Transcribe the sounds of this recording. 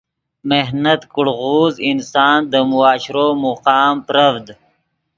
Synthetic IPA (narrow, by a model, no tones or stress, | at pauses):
meɦnɐt̪kʊɽɣuːzinsɑːnd̪əmuaːɕɾoːmuqɑːmpɾɐfd̪